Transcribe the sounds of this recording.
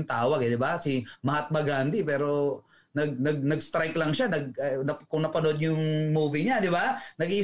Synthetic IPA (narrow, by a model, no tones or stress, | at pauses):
ŋt̪aːwɐɡd̪ɪbasɪmɐɦat̪̚mɐɡand̪ɪpɛːɾo̞ | nɐɡ̚nɐɡ̚nɐɡst̪ɾajklɐŋʃanɐɡ̚nɐkʊŋnɐpɐnod̪̚ɲjʊŋmuːviɲad̪ɪbanɐɡi